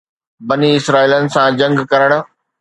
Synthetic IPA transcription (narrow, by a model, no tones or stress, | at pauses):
bɐniɪsɾaːiːlənɪ̆sãd͡ʑɐ̃ŋɡkɐɾəɽ̃ʊ̆